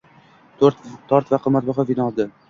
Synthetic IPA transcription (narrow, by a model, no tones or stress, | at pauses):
t̪ʰoɾt̪t̪ʰɒɾt̪vaqʰɨmat̪̚bɒχavinɒlˠd̪ɪ